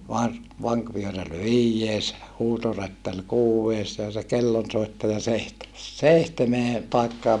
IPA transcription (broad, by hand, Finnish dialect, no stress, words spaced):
yks kɑpːɑlɑenen toˑenel lukːɑr kolomɑːs teːmɑnːi neljæːs jɑ hɑuwɑŋkɑˑiʋɑjɑ ʋɑr ʋɑŋkʋyøræl ʋiːjːeːs huːtorætːæl kuːwʋeːs jɑ se kelːonsoitːɑjɑ seihtemes seihtemeː pɑi̯kːɑːm